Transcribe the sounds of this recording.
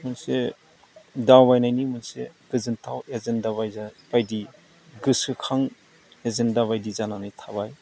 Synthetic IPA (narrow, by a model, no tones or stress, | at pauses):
mɯnse | dawbajnajnimɯnsḛɡ̥ɯzɯntʰawezendabajzab̥ajdi | ɡɯsɯkʰaŋ | ezendaβajdizananɯjtʰaβaj